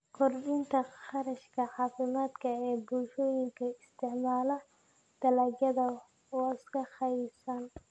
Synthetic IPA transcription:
kʰɔrbɪnt̪ʰɐχɑɾɐʃkʰɐʕɑːfɪmaːd̪kʰɐɛːbʊlʃɔːjɪŋkʰɐɪst̪ʰɪʕmaːlɐ | d̪̥ɐlɐːd͡ʒɐðɐ | ɔɪskʰɐχɑjsɐn

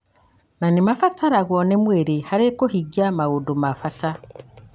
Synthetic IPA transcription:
nanimafataɾaɣonemweɾehaɾekohiɡjamaɣodomafata

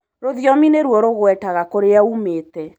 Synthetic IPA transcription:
ɾoðjɔmineɾwɔɾoɣwɛtaɣakoɾeaumeːtɛ

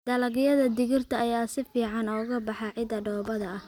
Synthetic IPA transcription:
d̪̥ɐlɐɣɪjɐðɐd̪ɪɣɪrt̪ʰɐːjaːsɪfiːʕɑnɔːɣɐbɑħɑʕɪd̪ɐɖɔːbɐðɐɐh

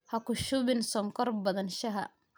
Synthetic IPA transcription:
hɐkʊʃʊβɪnsɔŋkʰɔrbɐðɐnʃɐɦɐ

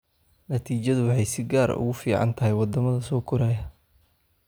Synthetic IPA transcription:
nɐt̪ʰiːt͡ʃɐðʊwɑħɑjsɪɡaːɾ̰ʊ̰ɣʊfiːʕɑ̰nt̪ʰɐɦɛjwɑd̪ɐmɐðɐsɔːkʰʊɾaːjɐ

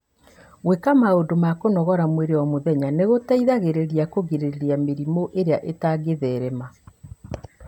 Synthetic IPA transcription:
ɣwekamaodomakonɔɣɔɾamweɾewamoðɛɲaneɣotaiðaɣeɾeɾiakoɣeɾeɾeɾiameɾimoʔeɾeaʔetaɡeðɛɾɛma

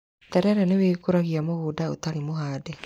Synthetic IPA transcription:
tɛɾɛɾɛnewekoɾaɣiamoɣoːdao̰taɾimoɦaːdɛ

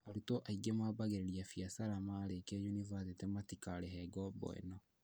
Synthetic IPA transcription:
aɾutɔʔaiɡɛmaːbaɣeɾeɾiafiasaɾamaːɾekɛjunivasetɛmatikaɾeɦɛɡɔbɔ̰ɛ̰nɔ

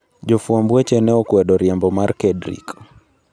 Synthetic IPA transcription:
d͡ʒɔfuambuɛt͡ʃɛnɛɔkuɛɗɔɾiambɔmaɾkɛdɾḭk

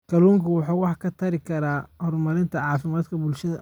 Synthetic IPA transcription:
kʰɐluːŋkʰɐwɑħɑːwɑħkʰɐt̪ʰɐɾɪkʰɐɾaːhɔrmɐɾɪnt̪ʰɐʕɑːfɪmaːd̪kʰɐbʊlʃɐðɐ

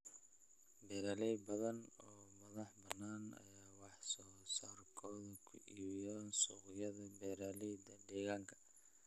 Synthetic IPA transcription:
bɛːɾaːlɛjbɐðɐnɔːmɐðɑħbɐnːaːnɐ̰jaːwɑħsɔːsaːrkʰɔːðɐkʰʊ̰ʔiːwɪjaːnsʊːqjɐðɐbɛːɾaːlɛjd̪ɐd̪ɛːɣaːŋkʰɐ̥

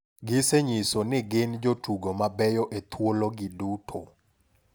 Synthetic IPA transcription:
ɡɪseɲisonɪɡend͡ʒotuɡomabɛjɔʔet̪ʰwoloɡɪdutʰo

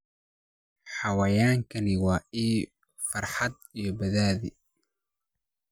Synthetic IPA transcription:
ħɑwaːjaːŋkʰɐnɪwɑːʔiː | fɐrħɑd̪̚ijɔbɐðaːði

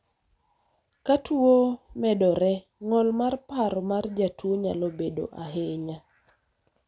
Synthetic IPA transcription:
katuomɛdɔɾɛ | ŋɔlmarpaɾɔmard͡ʒatwoɲa̰lɔbedo̰ʔaɦɪɲa

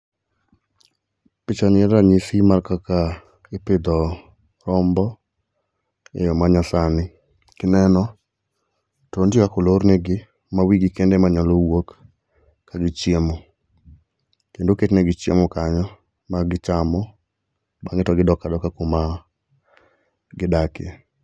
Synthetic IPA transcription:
pɪt͡ʃanɪɛɾaɲisimarkaka | ɪpɪd̪ɔ | ɾɔmbɔ | ḛjɔmaɲasanɪ | kɪnɛnɔ | tɔndjikakoloɾneɡɪ | mawiɡɪkendemaɲalowok | kːaɡɪt͡ʃjemo | kendoket͡ʃnɛɡɪt͡ʃjḛmɔkaɲɔ | maɡɪt͡ʃamɔ | baŋɡɪtɔɡɪdɔkadɔkakoma | ɡɪdakḛ

